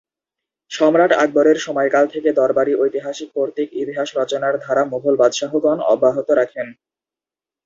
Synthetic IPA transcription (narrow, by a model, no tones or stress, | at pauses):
ʃɔmɾaʈa̰ɡ̚boɾeɾʃɔmɔjkalt̪ʰeked̪ɔɾbaɾiʔojt̪iɦaʃik̚poɾt̪ikit̪iɦaʃɾɔt͡ɕonaɾd̪ʱaɾamoɦolbad̪ʃaɦoɡɔnɔ̰bːaɦot̪oɾakʰen